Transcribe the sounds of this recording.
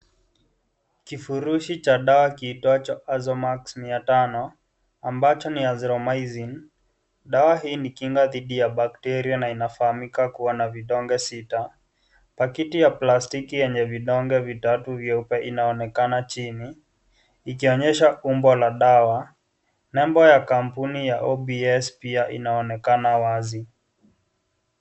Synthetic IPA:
kifuɾuʃit͡ʃaɗawakiitɔat͡ʃaʔazɔmaksmiatanɔ | ambat͡ʃɔniazɾɔmajzin | ɗawaɦiːnikiŋɡaðiɗijaɓaktɛɾianainafahamikakuwanaviɗɔŋɡɛsita | pakitijaplastikijɛɲɛviɗɔŋɡɛvitatuvjɔupɛʔinaɔnɛkanat͡ʃiniː | kiɔɲɛʃaʔumbɔlaɗawa | nɛmbɔjakam̩punijaʔɔɓiɛspiaʔḭnaɔnɛkanawazi

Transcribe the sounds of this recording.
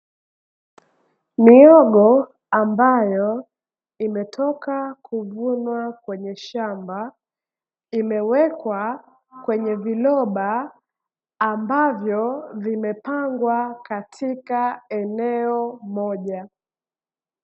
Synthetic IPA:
miɔɠɔ | ambajɔ | imɛtʰɔkakʰuvunwakwɛɲɛʃamba | imɛwɛkwa | kwɛɲɛvilɔɓa | mbavjɔvimɛpaŋɡwakatʰikaɛnɛɔmɔʄa

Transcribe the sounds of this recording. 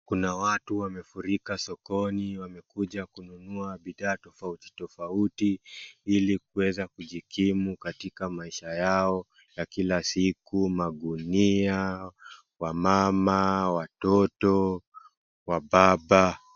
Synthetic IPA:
kunawatuwamɛfuɾikasɔkɔniwamɛkuʄakununuaɓiðaːtɔfauti̥tɔfautiilikuwɛzakuʄikʰimukatikamaiʃajaɔ | jakilasikumaɠunia | wamamawatɔtɔ | waɓaɓa

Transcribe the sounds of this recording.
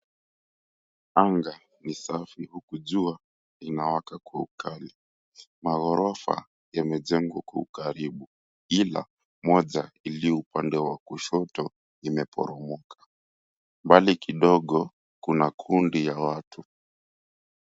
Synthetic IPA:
aŋɡa | nisafihukuʄua | inawakakwaukʰali | maɣɔɾɔfa̰ | jamɛʄɛŋɡwakwaukaɾiɓu | ila̰ | mɔʄailiɔupandɛwakuʃɔtɔ | imɛpɔ̰ɾɔmɔkʰḁ | mbalikiɗɔɠɔ | kunakʰundijawatu

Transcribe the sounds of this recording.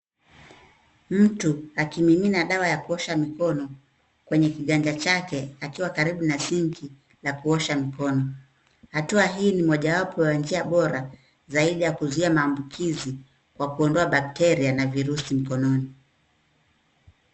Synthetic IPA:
m̩tuakimiminaɗawajakuɔʃamikɔnɔ | kwɛɲɛkiɠaɲd͡ʒat͡ʃakɛakiwakaɾiɓunasiŋki | lakuɔʃamikɔnɔ | hatuaɦiːnimɔʄawapɔwand͡ʒiaɓɔɾa | zaiɗijakuzuiamaːmbukʰizi | kwakuɔndɔaɓak̚tɛɾianaviɾusim̩kɔnɔni

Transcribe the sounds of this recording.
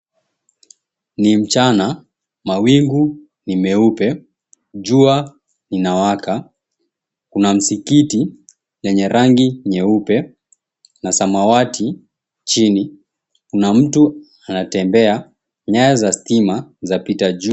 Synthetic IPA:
nim̩t͡ʃana | mawiŋɡu | nimɛupɛ | d͡ʒua | ninawaka | kunam̩sikiti | lɛɲɛɾaŋɡiɲɛupɛ | nasamawati | t͡ʃini | kunam̩tu | anatɛmbɛa | ɲajazastimazapitad͡ʒu

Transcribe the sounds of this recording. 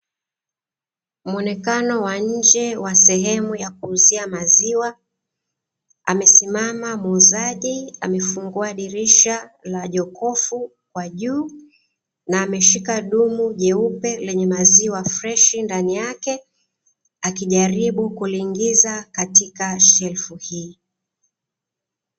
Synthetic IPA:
m̩ɔnɛkanɔwaɲ̩d͡ʒɛwasɛɦɛmujak̚uːziamaziwa | a̰mɛsimamamuːzaʄia̰mɛfuŋɡuaɗiɾiʃalaʄɔkʰɔfu | kwaʄuː | naːmɛʃikaɗumuʄɛupɛlɛɲɛmaziwafɾɛʃindanijakɛ | akiʄaɾiɓukuliŋɡizakatikaʃɛlfuhiː

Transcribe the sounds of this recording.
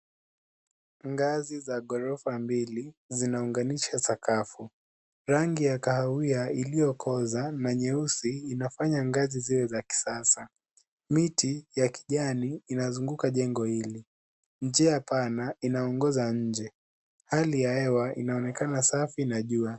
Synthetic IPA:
ŋɡazizaɠɔɾɔfambilizinauŋɡaniʃasakafu | ɾaŋɡijakahawiailijɔkʰɔzanaɲɛusiːnafaɲaŋɡaziziwɛzaki̥sasa | mitijaki̥ʄaniːnazuŋɡukaʄɛŋɡɔhili | ɲ̩d͡ʒɛjapanainaɔŋɡɔzaɲ̩d͡ʒɛ | halijaɛwaʔḭnaɔnɛkanasafinaʄua

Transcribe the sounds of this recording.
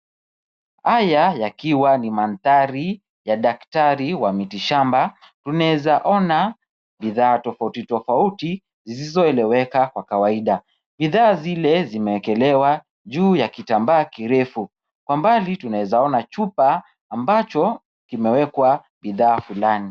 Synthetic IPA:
hajajakiwanimanθaɾi | jaɗaktaɾiwamitiʃamba | tunaɛzaʔɔna | ɓiðaːtɔfautitɔfauti | zisizɔɛlɛwɛkakwakawaiɗa | ɓiðaːzilɛzimɛwɛkɛlɛwa | ʄuːjakitambaːkiɾɛfu | kwambalitunaɛzaɔnat͡ʃupaː | mbat͡ʃɔ | kimɛwɛkwa | ɓiðaːfulani

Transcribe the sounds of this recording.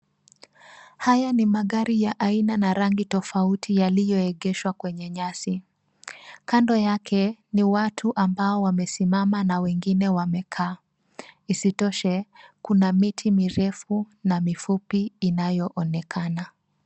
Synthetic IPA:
hajanimaɠaɾijaʔainanaɾaŋɡitɔfautʰijalijɔɛɠɛʃwakwɛɲɛɲasi | kandɔjakʰɛniwatʰuʔambaɔwamɛsimamanawɛŋɡinɛwamɛkʰaː | isitɔʃɛkunamitʰimiɾɛfu | namifupiːnajɔʔɔnɛkʰana

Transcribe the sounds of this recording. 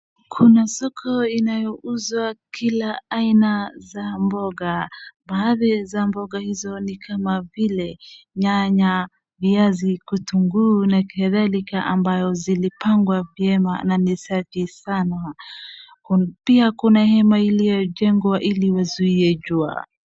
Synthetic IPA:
kʰunasɔkʰɔinajɔʔuzwakilaainazambɔɡabaːðizambɔɠahizɔnikʰamavilɛɲaɲa | viazikutuŋɡuːnakɛðalikaʔambajɔzilipaŋɡwavjɛma̰nanisafisana | piakunahɛmailijɔʄɛŋɡwaʔiliwazuiɛʄua̰

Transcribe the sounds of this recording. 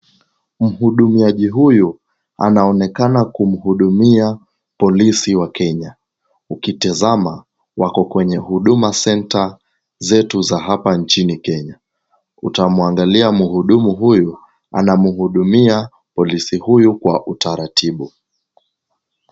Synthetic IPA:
m̩ɦuɗumiaʄiɦuju | a̰naɔnɛkanakum̩huɗumia | pɔlisiwakɛɲa | ukitizama | wakɔkwɛɲɛhuɗumasɛnta | zɛtuzaɦapant͡ʃinikɛɲa | utamuaŋɡaliamuhuɗumuɦuju | a̰namuɦuɗumia | pɔlisihujukwa̰ʔutaɾatʰiɓu

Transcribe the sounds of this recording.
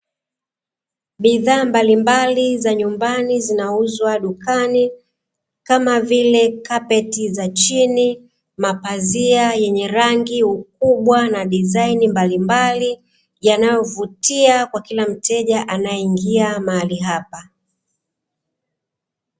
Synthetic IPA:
ɓiðaːmbalimbalizaɲumbanizinauzwaɗukani | kamavilɛkapɛtizat͡ʃini | mapaziajɛɲɛɾaŋɡiuk̚uɓwanaɗizainimbalimbali | janajɔvutiakwakilam̩tɛʄaʔanaɛiŋɡiamaaliɦapa

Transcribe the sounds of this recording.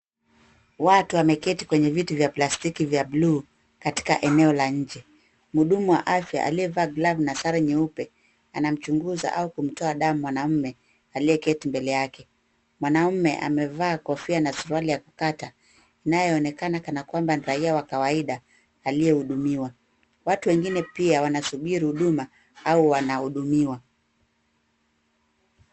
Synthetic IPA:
watuamɛkɛtikwɛɲɛvituvjaplastikivjablu | kati̥ka̰ʔɛnɛɔlaɲ̩d͡ʒɛ | muɗumuwa̰ʔafja̰ʔa̰liɛvaːɡlavnasaɾaɲɛupɛ | anam̩t͡ʃuŋɡuza̰ʔaukum̩tɔaɗamumwanam̩mɛ | aliɛkɛtimbɛlɛjakɛ | mwanamm̩mɛʔa̰mɛvaːkɔfianasuɾualijakukata | inajɛɔnɛkanakanakwambanɾaiawakawaiɗaː | lijɛhuɗumiwa | watuwɛŋɡinɛpiawanasuɓiɾihuɗuma | auwanahuɗumiwa

